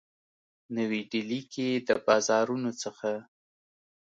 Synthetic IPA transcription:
nəwiɖiliked̪əbɑzɑɾunot͡səxa

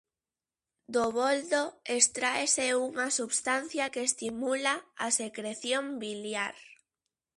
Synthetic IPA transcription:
d̪oβold̪oest̪ɾaeseuŋasuβst̪anθjakeːst̪imulaasekɾeθjombiljaɾ

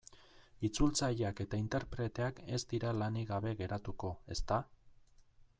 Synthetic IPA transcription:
it͡sult͡sajake̞t̪aint̪e̞ɾpɾe̞t̪e̞ake̞zd̪iɾalaniɣaβe̞ɣe̞ɾat̪uko̞e̞st̪a

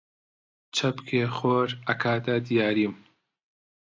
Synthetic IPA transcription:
t͡ʃʰɐbkʰeːxoːɾɐkʰaːd̪ad̪ijaːɾiːm

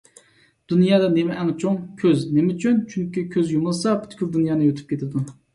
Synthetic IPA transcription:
d̪̥unjɑːd̪ɑnemɛʔɛŋt͡ʃʰoŋkʲʰøznemɪt͡ʃʰynt͡ʃʰyŋkʲikʲʰøzjumɨlˠsɑpʰy̥t̪kʲyld̪unjɑːnɨøt̪ʰy̥p̚kʲet̪ʰɪd̪u

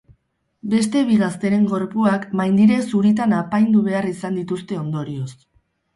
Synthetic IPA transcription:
be̞st̪e̞βiɣast̪e̞ɾe̞ŋɡo̞ɾpuakmajnd̪iɾe̞suɾit̪anapajnd̪uβe̞arisand̪it̪ust̪e̞o̞nd̪o̞ɾio̞s

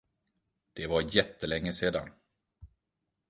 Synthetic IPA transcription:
d̪̥ɛvaɾjɛt̪ːəlɛŋːəseːd̪a̰n

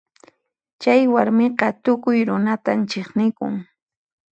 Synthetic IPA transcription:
t͡ʃajwaɾmɪqɑt̪ʊkʊjɾʊnat̪ant͡ʃeχnɪkʊ̰ŋ

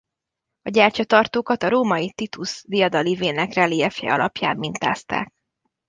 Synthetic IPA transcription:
ɒɟaːrt͡ʃɒt̪ɒrt̪oːkɒt̪ɒɾoːmɒjit̪it̪usd̪ijɒd̪ɒliveːnɛkrɛliɛfjɛ̰ɒlɒpja̰ːmːint̪a̰ːst̪a̰ːk̚

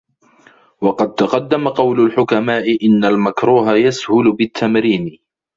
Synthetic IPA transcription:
wɑqɑd̪̚t̪ɑqɑd̪ːamaqɑwlʊlħʊkamaːʔɪʔɪnːalmakɾuːɦajashʊlʊbɪt̪ʰːamɾiːn

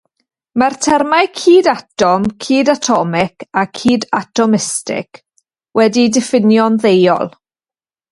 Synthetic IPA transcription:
martʰɛrmajkʰiːdatɔmkʰiːdatʰɔmɪkʰakʰiːdatʰɔmɪstɪ̰k | wɛdidɪfɪnjɔnðejɔ̰lˠ

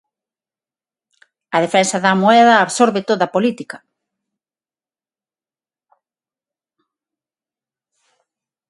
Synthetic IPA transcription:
ɐðefɛnsɐðɐmoɛðɐːβsoɾβet̪oðɐpolit̪ikɐ

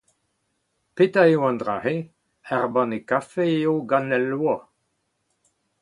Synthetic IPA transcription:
petaewãndʁa̰he | ɛʁbɑ̃nekafejoɡanɛlːwa

